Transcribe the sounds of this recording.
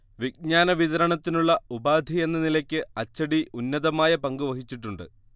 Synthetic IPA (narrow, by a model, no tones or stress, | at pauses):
ʋiɡ̚ɲaːnɐʋiðɐɾɐɳɐt̪ːinuɭːɐubaːd̪ʱie̞nːɐnilɐkʲːɨɐt͡ɕːɐɽiunːɐðɐmaːjɐpɐŋɡuʋɐɦit͡ɕːiʈːuɳɖɨ̰